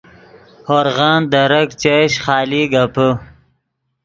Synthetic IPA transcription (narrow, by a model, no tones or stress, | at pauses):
hoɾʁɑːnd̪ɐɾɐkt͡ɕeɕχɑːliɡapə